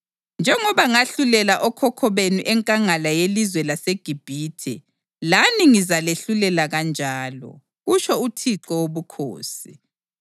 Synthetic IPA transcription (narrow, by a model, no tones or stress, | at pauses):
nd͡ʒʱɛŋɔβaŋaɬulɛlaʔɔkʰɔkʰɔβenuʔɛŋkʼaŋalajelizwɛlaseɡ̥ʱib̥ʱiːtʰɛ̰ | laniŋizaleɬulɛlaɣand͡ʒʱaːlɔ̰ | ɣut͡ʃʰɔutʰiǁɔwoβukʰo̰ːsi